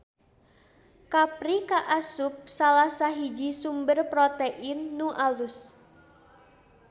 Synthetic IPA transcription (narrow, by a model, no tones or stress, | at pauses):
kapɾikaʔasup̚salahsaɦid͡ʒisumbərpɾɔt̪eʔinːuʔalus